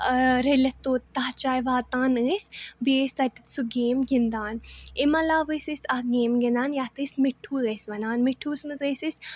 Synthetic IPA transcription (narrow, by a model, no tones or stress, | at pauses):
ɾelɐt̪oːt̪ːaːt͡ʃaːjʋaːt̪aːnɨːsʲbiesʲt̪ɐt̪i̥t̪suɡeːmɡind̪aːnemɐlaːʋɨsɨsʲahɡeːmɡind̪aːnjat̪ɨsʲmeʈʰːuːzɐsʲʋɐnaːnmeʈʰːuːsmɨzəːsɨsʲ